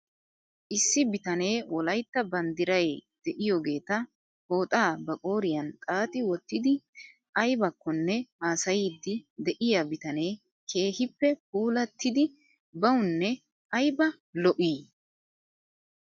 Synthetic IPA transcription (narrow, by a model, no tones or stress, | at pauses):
ʔɪsːɪbɪt̪ɐne̞ːwɔlɐjt̪ːɐbɐnd̪ɪɾɐjd̪̥ɛʔɪjoɡe̞ːt̪ɐ | ho̞ːt̪ʼaːbɐkʼo̞ːɾɪjɐnt̪ʼaːt̪ɪwɔt̪ːɪd̪ɪ | ʔɐjbɐkːɔnːɛhaːsɐjid̪ːɪd̪ɛʔɪjabɪt̪ɐne̞ː | kʰe̞ːhɪpːɛp̚uːlɐt̪ːɪd̪ɪ | bɐwʊnːɛ | ʔɐjbɐ | lɔʔiː